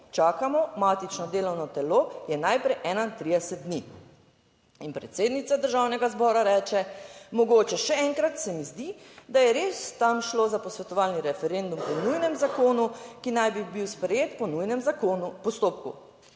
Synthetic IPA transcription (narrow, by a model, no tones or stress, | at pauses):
t͡ʃaːkamɔmaːt̪it͡ʃnɔd̪eːlɔwnɔt̪ɛlojɛnajpɾɛjʔɛnant̪ɾid̪ɛsɛt̪̚d̪ni | inpɾɛt̪seːd̪nit̪sad̪əɾʒawnɛɡazbɔːɾaɾɛːt͡ʃɛmɔɡoːt͡ʃɛʃɛɛŋkɾat̪sɛmizd̪id̪ajɛɾest̪amʃlozapɔsʋɛt̪ɔʋaːlniɾɛfɛɾend̪umpɔnujnɛmzakoːnukinajbibiwspɾɛjeːt̪pɔnujnɛmakonupɔst̪oːpkṵ